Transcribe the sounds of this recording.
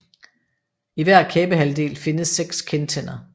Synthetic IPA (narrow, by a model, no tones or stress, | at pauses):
iʋæɐ̰kʰɛːb̥əɦæld̥e̝̰ːlfe̝nəsːeɡ̥skʰent͡sʰen̰ɐ